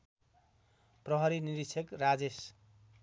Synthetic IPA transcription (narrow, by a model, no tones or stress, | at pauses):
prʌɦʌɾiniɾisʰʌkrad͡zes